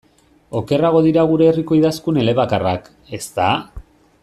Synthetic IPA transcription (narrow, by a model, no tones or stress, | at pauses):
o̞ke̞raɣo̞ðiɾaɣ̞uɾe̞ːriko̞iðaskune̞le̞βakarak | e̞st̪a